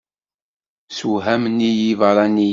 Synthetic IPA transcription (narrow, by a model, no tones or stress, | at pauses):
suɦæmnːijivəɾˤɑni